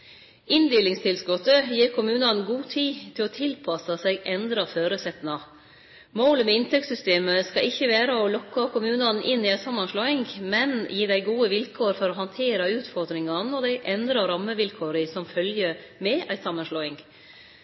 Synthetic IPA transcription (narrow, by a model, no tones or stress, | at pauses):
ɪnd̪eːlɪŋst̪ʰɪlskɔt̪ːəjiːɾkʰʊmʉːnɑnɡuːt̪ʰiːt̪ʰɪlɔt̪ʰɪlpʰɑsɑsɛɡʔɛnd̪ɾɑføːɾʉsɛt̪nɑ | moːləmɛɪnt̪ʰɛkt̪sʏst̪eːməskɑɪçːəʋæːɾəɔlɔkːɑkʰʊmʉːnɑnʔɪnːɪæɪsɑmːɑnʂɭoːɪŋmɛnjiːd̪æɪɡuːəʋɪlkʰoːɾfɔɾɔɦɑnt̪ʰeːɾəʉːt̪fɔɾd̪ɾɪŋɑnɔd̪æɪʔɛnd̪ɾɑɾɑmːəʋɪlkʰoːɾəsɔmfœljəmɛʔæɪsɑmːənʂɭoːɪŋ